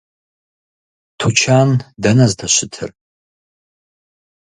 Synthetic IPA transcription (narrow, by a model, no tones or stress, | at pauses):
tʰut͡ʃʰandanaztʰaʃʷɪtʰɨ̰r